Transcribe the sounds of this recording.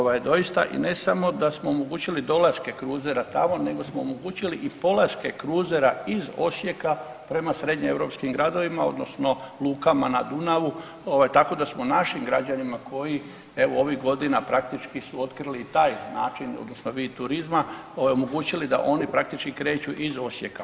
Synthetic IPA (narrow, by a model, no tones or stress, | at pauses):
oʋajd̪o̞ist̪a̰ʔḭne̞samo̞d̪asmoomoɡuːt͡ɕilid̪o̞laske̞kɾuːzeɾat̪amo̞ne̞ɡo̞smoomoɡuːt͡ɕiliʔipo̞laske̞kɾuːzeɾaizo̞̰sje̞ka | pɾe̞masɾe̞d̪ɲie̞ʋɾo̞pskimɡɾad̪o̞ʋimao̞̰d̪no̞sno̞lˠuːkamanad̪unaʋu | oʋajt̪ako̞d̪asmonaʃimɡɾad͡ʑanimakʰo̞ji | e̞ʋoo̞ʋiɦɡo̞d̪inapɾak̚t̪it͡ʃkisuo̞t̪kɾilit̪aːjnaːt͡ʃino̰d̪no̞snoʋiːt̪uɾizmaojomoɡuːt͡ɕilid̪a̰ʔo̞nipɾak̚t̪it͡ʃkikɾe̞ːt͡ɕuʔizo̞sje̞ka